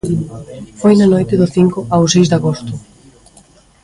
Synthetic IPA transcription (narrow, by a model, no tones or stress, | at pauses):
fojnanojt̪ɪðʊθiŋkʊʔawsejzd̪aɣost̪ʊ